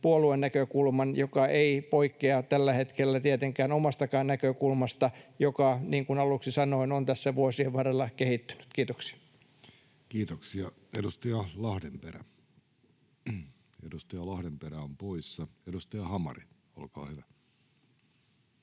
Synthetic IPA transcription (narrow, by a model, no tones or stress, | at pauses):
puoluenːækøkulmɑnjokɑʔeipoikːeɑt̪ælːæhet̪kelːæt̪iet̪eŋkæːnomɑst̪ɑkɑːnnækøkulmɑst̪ɑjokɑniːŋkunɑluksisɑnoinont̪æsːæʋuosieʋʋɑrelːɑkehit̪ːy̥ny̥t̪kiːt̪oksi̥ɑ̥ | kiːt̪oksiɑ | edust̪ɑjɑlɑhdemperæ̰ | edust̪ɑjɑlɑhdemperæompoisːɑedust̪ɑjɑhɑmɑ̰ri | o̰lkɑ̰ːhyʋæ